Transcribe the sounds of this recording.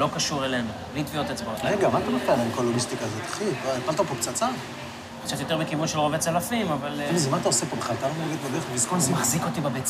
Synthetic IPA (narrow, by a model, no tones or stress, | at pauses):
lo̞kaʃuʁelenublit̪viot̪et͡sbaʁeɡamant̪amakanamkolonist̪ikazot̪ḁχiipalt̪apokt͡sat͡sa | kt͡sat̪jo̞t̪eʁbekivunʃelʁovet͡salafimavallizmant̪aosepobe̥χalt̪alomaɡit̪medeʁeχvizkonzmaχziko̞t̪ibabet͡s